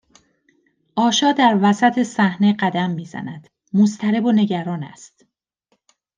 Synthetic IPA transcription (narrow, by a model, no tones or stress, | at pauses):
ʔɒːʃɒːd̪æɾvæsæt̪ʰe̞sæhne̞ɢæd̪æmːiːzæ̰næd̪̥ | most̪ʰæɾe̞bone̞ɟæɾɒːnæ̰st̪